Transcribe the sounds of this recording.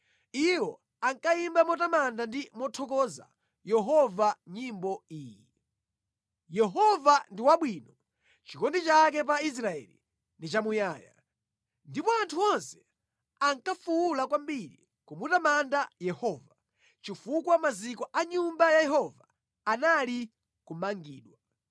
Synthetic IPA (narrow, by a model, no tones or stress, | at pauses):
iwɔ | aŋkaimbamɔtamandandimɔtʰɔkɔza̰ | jɛɦɔvaɲimbɔiːji | jɛɦɔvandiwaɓwiːnɔ | t͡ʃikɔndit͡ʃak̬ɛp̬ais̬ɾaɛ̰lḭ | ndit͡ʃamujaːja̰ | ndipɔantʰuɔnsɛ̥ | aŋkafuulakwambiɾḭ | kumutamandajɛhɔːva | t͡ʃifukwamazikɔʔaɲumbajajɛhɔvaː | nali | kumaŋɡiːɗwa